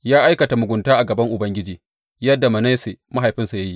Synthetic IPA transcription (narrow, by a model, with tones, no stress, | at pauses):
jaː˦ʔa˦jkɐ˨ta˨mʊ˨ɡʷʊ˨ntaː˦ʔa˨ɡɐ˨bɐ˦ŋʔʊ˨bɐ˦ŋɡʲɪ˦d͡ʒiː˨ | jɐ˦dːa˨mɐ˨na˦jse˨ma˦ɦa˨jɸɪ˦nsa˨ja˦ji˦